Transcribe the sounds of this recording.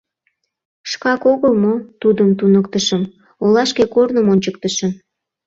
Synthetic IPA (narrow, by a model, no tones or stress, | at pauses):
ʃkɑkoɣəlmot̪ud̪əmt̪unək̚t̪əʃəm | olɑʃkekornəmonʲt͡ɕəkt̪əʃəm